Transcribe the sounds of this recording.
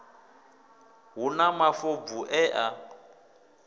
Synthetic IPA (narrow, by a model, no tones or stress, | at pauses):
ɦunamafɔb̪vuʔɛʔa